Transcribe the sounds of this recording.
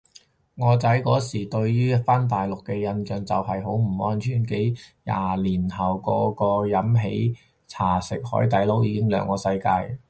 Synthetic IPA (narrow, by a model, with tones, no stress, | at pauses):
ŋɔː˨˧t͡sɐ˨˥jkɔː˨˥siː˨˩t̪ɵ˧ɥjyː˥faː˥nt̪̬aː˨jlʊ˨kːɛː˧jɐ˧nt͡ʃœː˨˧ŋt͡sɐ˨wɦɐ˨jɦo˨˥wm̩˨˩ɔː˥nt͡ʃʰyː˨˩nke˨˥jja̰ː˨liː˨˩nhɐ˨˩wkɔː˧kɔː˧jɐ˨˥mɦe˨˥j | t͡sʰaː˨˩sɪ˨k̚hɔ̰ː˨˥jt̪ɐ˨˥jlo˨˥wjiː˨˧kɪ˥ŋlœː˨˧˥ŋkɔː˧sɐ˧jka̰ː˧j